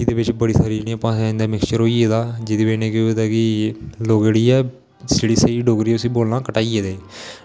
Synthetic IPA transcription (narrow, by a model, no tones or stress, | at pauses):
id̪eːbɪt͡ʃbəɽiːsəɾiːnĩːəpãːsɪ̃nd̪aːmɪkst͡ʃəɾɦoːiːeːd̪aːd͡ʒɪd̪iːbeːnẽːkːd̪ɛːkiloːɡeɽiːɛː | seɽiːsəiːɖoːɡɾiːʊsiːboːlnãːkəʈaːieːd̪eː